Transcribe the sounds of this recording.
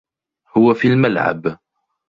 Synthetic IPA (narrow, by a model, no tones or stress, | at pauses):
hʊwæfilməlʕa̰b